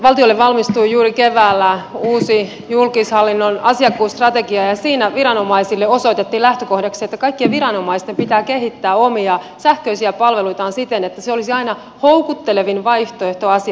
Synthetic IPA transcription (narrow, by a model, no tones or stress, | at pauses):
ʋɑlt̪iolːeʋʋɑlmist̪uijuːɾikeʋæːlːæuːsi | julkishɑlːinːonɑsiɑkːuːst̪rɑt̪eɡiɑjɑsiːnæʋiɾɑno̞mɑisilːeoso̞it̪et̪ːiːlæht̪økohdɑksiet̪ːækɑikːieʋiɾɑno̞mɑist̪empit̪æːkehit̪ːæːomiɑ | sæhkøisiæpɑlʋeluit̪ɑːnsit̪enet̪ːæseolisiɑinɑ | houkut̪ːeleʋinʋɑiht̪oeht̪oɑsi